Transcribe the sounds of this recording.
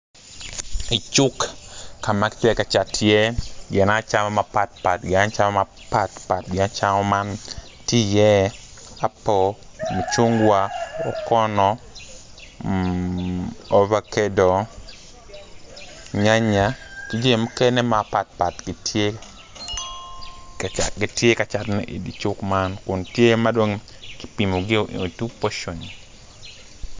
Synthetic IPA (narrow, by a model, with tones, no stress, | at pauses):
i˨t͡ʃʊ˦kka˨ma˦ktɛ˦ka˨t͡ʃa˨tjɛ˦ɡɪ˨na˦t͡ʃa˦mɔ˦ma˨pa˦˨t̚pa˨tɡɪ˨na˦t͡ʃa˦mɔ˦ma | pa˦˨tpa˨t̚ɡɪ˨na˦t͡ʃa˦ŋɔ˦ma˦n | ti˦jɛ˦ | a˦pɔ˨mu˨t͡ʃu˦ŋɡwa˦ɔ˨kɔ˦nɔ˨ | ɔ˦va˦˨ke˦do˨ | ɲa˦ɲa˨ti˦d͡ʒe˦˨mu˦ke˦ne˦ma˨pa˨t̚pa˨tɡɪ˨tje˦ | ɡɪ˨tje˦ka˨t͡ʃa˨ɾnɛ̰˦˨ʔi˨di˨t͡ʃʊ˦kma˦nkʊ˨ntje˦ma˦dwo˦ŋkɪ̥˦pi˨mo˨ɡɪ˦o˨ʔo˨tu˦po˦ʃo˨ni˨